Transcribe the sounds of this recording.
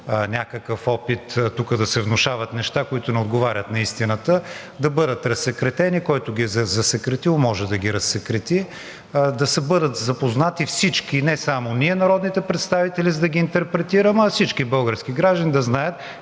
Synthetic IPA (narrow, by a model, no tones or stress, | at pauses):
nʲakəkəfɔpit̪t̪ːukəd̪ɐsɛvnʊʃavɐt̪nɛʃt̪akoit̪ʊnɛod̪ɡovaɾʲət̪nɐist̪inət̪ə | d̪ɐbɤd̪ət̪ɾɐsːɛkɾɐt̪ɛnikɔjt̪ʊɡʲiɛzzɐsɛkɾɐt̪ilˠmɔʒɛd̪ɐɡʲiɾɐsːɛkɾɐt̪i | d̪ɐsɛbɤd̪ət̪zɐpoznat̪ifsit͡ʃkinɛsamʊniɛnɐɾɔd̪nit̪ɛpɾɛt̪st̪avit̪ɛlizəd̪ɐɡʲiːnt̪ɛɾpɾɛt̪iɾəmɐfsit͡ʃkibɤlˠɡəɾskiɡɾaʒd̪ənid̪ɐznajət̪̚